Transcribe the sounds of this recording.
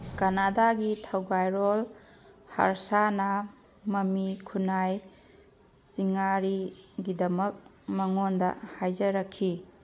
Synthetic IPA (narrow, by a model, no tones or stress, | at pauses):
kanadaɡitʰawɡajɾol | ha̰ɾsanɐ | mɐmikʰunaj | siŋaɾiɡidɐmɐk̚ | mɐŋondɐ̰hajzɐɾɐkʰːi